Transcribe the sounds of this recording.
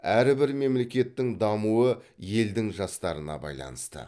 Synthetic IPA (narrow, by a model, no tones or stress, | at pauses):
æɾɪbɪɾme̞mle̞kʲe̞t̪ːɪŋd̪ɑmuəje̞ld̪ɪŋʒɑst̪ɑɾənɑ̰bɑ̰jlˠɑ̰nəst̪ə̰